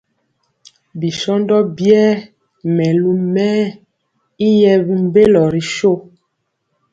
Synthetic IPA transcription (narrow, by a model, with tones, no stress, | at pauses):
bi˨ʃɔ˦ndɔ˦bjɛː˦ | mɛ˨lu˦mɛː˦ | i˦jɛ˦bi˦m˦be˦lɔ˨ɾi˨ʃo˦